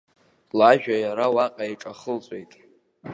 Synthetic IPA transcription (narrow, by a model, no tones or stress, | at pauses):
laʒᶣajaɾawaqʼaiʈ͡ʂʼaχəlt͡sʼe̞jtʼ